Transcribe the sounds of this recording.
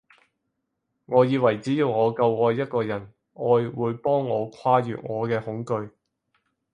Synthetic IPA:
ŋɔː˨˧jiː˨˧wɐ˨˩jt͡siː˨˥jiː˧wŋɔː˨˧kɐ˧wɔː˨˧jːɐ˥t̚kɔː˧jɐ˨˩n | ɔː˨˧jwuː˨˧jpɔː˥ŋːɔː˨˧kʷʰaː˥jy̰ː˨t̚ŋɔː˨˧kɛː˧hʊ˨˥ŋkɵ˧ɥ

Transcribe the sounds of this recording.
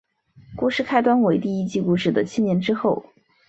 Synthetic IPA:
ku˥˧ʂɻ̩˥˩kʰa˥ɪt̪wa˥nwe˧˩ɪt̪i˥˧i˥t͡ɕi˥˧ku˥˧ʂɻ̩˥˩d̪ə˩t͡ɕʰi˥njɛ˧˥nʈ͡ʂɻ̩˥xo˥˩ʊ

